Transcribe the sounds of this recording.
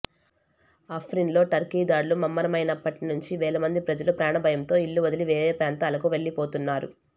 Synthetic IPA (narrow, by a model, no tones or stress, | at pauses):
ɐpʰɾinlo̞ːʈɐɾkiːd̪aːɽlumɐmːɐɾɐmɐjnɐpːɐʈinuɲt͡ʃiʋɛːlɐmɐnd̪ipɾɐd͡ʒɐlupɾaːɳɐbʱɐjɐmt̪o̞ːilːuʋɐd̪ɐliʋɛːɾeːpaːnt̪aːlɐkuʋe̞ɭːipoːt̪unːaːɾṵ